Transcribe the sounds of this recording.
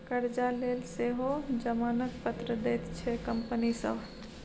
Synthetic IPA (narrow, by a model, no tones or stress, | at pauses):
kəɾd͡ʒalelseɦod͡ʒəmaːnək̪̚pət̪ɾəd̪et̪t͡ʃʰɛkəmpənisə̰ʋ